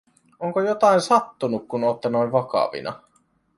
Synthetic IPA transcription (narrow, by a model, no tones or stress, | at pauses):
oŋkojot̪ɑinsɑt̪ːunukkunot̪ːɑnoiʋɑkɑ̰ʋḭnʔɑ̰